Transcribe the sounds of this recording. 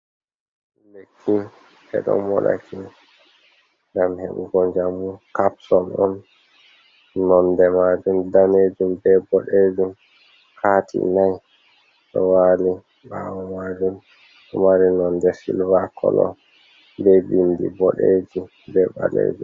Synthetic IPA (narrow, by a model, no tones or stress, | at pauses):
bekʰːin | ɛɗɔ̰nmɔɗa̰kʰin | ŋɡamhɛɓɡɔɲd͡ʒamukapsɔnɔn | nɔndɛmad͡ʒumdaned͡ʒumbɛbɔɗed͡ʒum | haːtʰḭnaj | ɗɔwali | bawɔmad͡ʒum | ɗɔmaɾinɔndɛsilvakʰɔlɔ | bɛbindḭbɔɗed͡ʒi | bɛba̰lḛd͡ʒum